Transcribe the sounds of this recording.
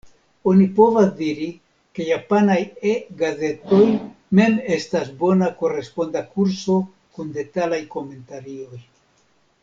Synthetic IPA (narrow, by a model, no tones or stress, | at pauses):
o̞nipo̞vazdiɾi | ke̞japanajeɡaze̞to̞jme̞me̞stasbo̞nako̞re̞spo̞ndakuɾso̞ | kunde̞talajko̞me̞ntaɾio̞j